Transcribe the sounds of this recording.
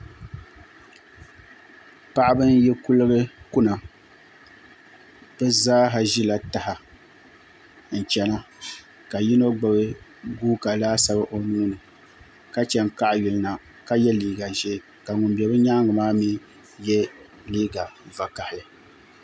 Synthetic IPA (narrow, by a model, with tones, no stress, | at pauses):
pa˦ʔa˦bɨ˦njɛ˦ku˦lɨ˦ɣɨ˦ku˦na˨ | b̥ɨ˦zaː˦ɦa˨ʒi˦la˨ta˨ha˨ | n̩˨t͡ʃɛ˨na˦ | ka˨ji˦no˦ɡ͡ba˨bɨ˦ɡuː˦ka˨laː˦sa˦ba˦ʔo˨nu˦nɨ˨ | ka˦t͡ʃɛ˨ŋ˨ka˦ʔju˨lɨ˦na˨ | ka˦jɛ˦liː˦ɡa˨ʒɛ˦ | ka˨ŋʊ˨mbɛ˨bɨ˦ɲa˦ŋɡɨ˨maː˦miː˦ | jɛ˦ | liː˦ɡa˨va˨ka˨hɪ˨ja˨